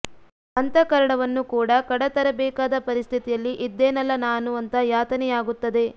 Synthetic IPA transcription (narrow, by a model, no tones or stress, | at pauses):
ɐnt̪ɐkɐɾɐɳɐʋɐnːukuːɽɐkɐɽɐt̪ɐɾɐbɛːkaːd̪ɐpɐɾist̪ʰit̪ijɐlːiʔid̪ːeːnɐlːɐnaːnuɐnt̪ɐjaːt̪ɐnɛjaːɡut̪ːɐd̪e̞